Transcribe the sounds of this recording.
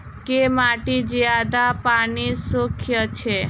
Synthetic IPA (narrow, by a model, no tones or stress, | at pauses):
kemaʈid͡ʒjad̪apaɳisukʰjət͡ʃʰe